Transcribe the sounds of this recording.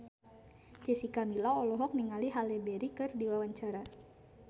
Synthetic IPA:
d͡ʒɛsikamilaɔlɔɦɔk̚niŋaliɦalɛbɛɾikɨrdiwawaɲt͡ʃaɾa

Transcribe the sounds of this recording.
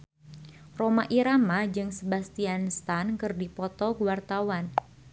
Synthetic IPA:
romaʔiɾamad͡ʒɨŋsəbast̪ianst̪ankɨrdipɔt̪ɔɡuwart̪awan

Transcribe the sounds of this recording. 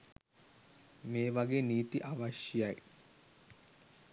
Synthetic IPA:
meːʋaɡeːniːt̪iʔaʋaʃjjaj

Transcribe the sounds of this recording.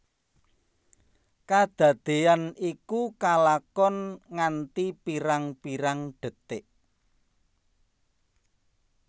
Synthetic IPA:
kad̪̥ä̤d̪̥e̤anikukalakɔnŋant̪ipiɾaŋpiɾaŋɖ̪̥ə̤t̪ɪʔ

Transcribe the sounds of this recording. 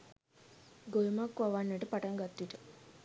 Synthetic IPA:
ɡojumakːʋaʋanːəʈəpaʈaŋɡat̪ːʋiʈə

